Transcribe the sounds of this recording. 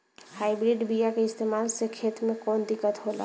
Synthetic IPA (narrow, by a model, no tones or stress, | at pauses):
hajbɾiɖbijakeɪst̪emalsekʰet̪mekɔːnd̪ikːət̪ɦola̰